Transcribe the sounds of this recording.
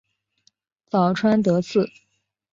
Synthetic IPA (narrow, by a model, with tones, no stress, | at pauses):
t͡sɑ˨˩ʊʈ͡ʂʰwa˥nt̪ɤ˧˥t͡sʰɹ̩˥˩